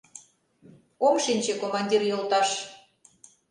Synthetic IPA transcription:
omʃinʲt͡ɕekomɑnʲd̪ʲirjolt̪ɑʃ

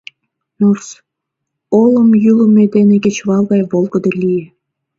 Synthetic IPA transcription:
nors | oləmjyləmed̪eneket͡ɕβɑlˠɣɑjβolˠɡəd̪elʲije

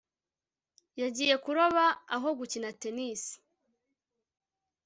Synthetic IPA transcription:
jaɟiːje̞kuɾoβaːɦo̞ɡucinate̞nisi̥

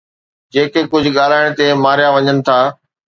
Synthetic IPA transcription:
d͡ʑeːkekʊd͡ʑʱʊ̆ɠaːl̤aːɪɽ̃t̪emaːɾijaʋɐɲənɪ̆t̪ʰaː

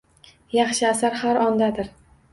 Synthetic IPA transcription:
jɑχʃɪasaɾhaɾɒnd̪ad̪ɪɾ

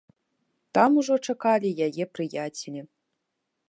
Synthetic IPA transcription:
t̪amuʐɔt͡ʂɐkalʲijajɛpɾɨjatʲelʲi

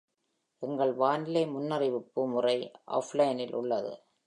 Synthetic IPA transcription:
ʔɛŋɡɐɭʋaːnɪlɐɪmʊnːɐrɪʋɯpːɯmʊrɐɪʔa̰ːflɐjɐnɪlʔʊ̰ɭːɐðɯ̰

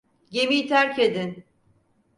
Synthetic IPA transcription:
ɟemijt̪ʰæɾcʰed̪in

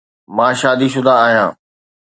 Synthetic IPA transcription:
mãːʃaːd̪iʃ̬ʊd̪aːɦijãː

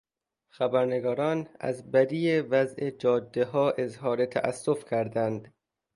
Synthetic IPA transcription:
xæbæɾneɡɒːɾɒːnæ̰zbæd̪iːevæzʔed͡ʒɒːd̪ːeɦɒːʔezɦɒːɾe̞t̪ʰæ̰ʔæ̰sːofcʰæɾd̪ænd̪̥

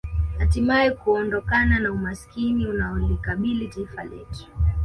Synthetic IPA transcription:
hatimaɛkuɔndɔkananaumaskiniunaɔlikaɓilitaifalɛ̰tu̥

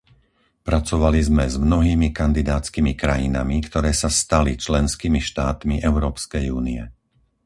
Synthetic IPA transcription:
pɾat͡sɔʋalizmɛzmnɔɦiːmikand̪id̪aːt͡skimikɾajina̰mikt̪ɔɾɛːsast̪alit͡ʃlɛnskiːmiʃt̪aːt̪miʔɛʊɾɔːpskɛjuːniɛ̰

